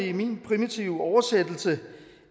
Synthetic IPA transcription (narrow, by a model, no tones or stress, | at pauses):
iminpʰʁimit͡sʰiʊɒʊɐsed̥l̩sə